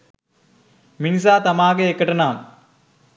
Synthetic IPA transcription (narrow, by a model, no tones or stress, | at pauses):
minis̬aːt̪ɐmaːɣɐekːɐʈːɐnaːm